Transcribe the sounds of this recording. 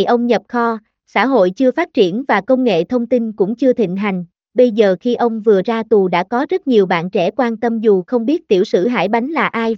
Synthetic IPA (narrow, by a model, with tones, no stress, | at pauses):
jʔə˧wŋ͡mɲə˨˩p̚xɔ˧ | sa̰ː˧˥ɦo̰˧˨jt͡ɕɨ˧əfaː˦˥t̚t͡ɕḭ˧˩ənvaː˨˩kə˧wŋ͡mŋḛ˧˨t̪ʰə˧wŋ͡mt̪i˧nkʊ̰˧˥ŋ͡mt͡ɕɨ˧ət̪ʰḭ̈˧˨ŋ̟ɦa˨˩jŋ̟ | ɓə˧jzəː˨˩xi˧ʔə˧wŋ͡mvɨ˨˩əzaː˧t̪u˨˩ɗa̰ː˧˥kɔ˨˦zə˦˥t̚ɲi˨˩əwɓa̰ː˧˨nt͡ɕɛ̰˧˩kwaː˧nt̪ə˧mzu˨˩xə˧wŋ͡mɓi˦˥ət̚t̪ḭ˧˩əwsɨ̰˧˩ɦa̰ː˧˩jɓa˨˦jŋlaː˨˩ʔaː˧j